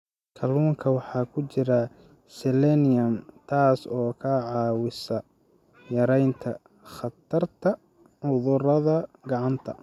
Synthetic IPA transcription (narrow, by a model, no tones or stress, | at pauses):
kʰɐluːŋkʰɐwɑħɑːkʰʊt͡ʃɪɾɐ | sɛlɛnɪjɐmt̪ʰaːsɔːkʰɐʕɑːwɪsɐ | jɐɾɛjnt̪ʰɐ | χɐt̪ʰɐrt̪ʰɐ | ʕʊðʊɾɐðɐɡɑʕɑnt̪ʰɐ̰